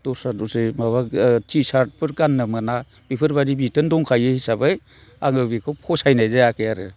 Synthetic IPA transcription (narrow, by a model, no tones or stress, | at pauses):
tɔsadɔsɯjmaβatʰisaɾt̚pʰɯɾɡanːɯmana | b̥ipʰɯɾbaɾibitɯndɔŋkʰajɯhisabaj | aŋɯbikʰɔpʰɔsajnajzajakʰejaɾɯ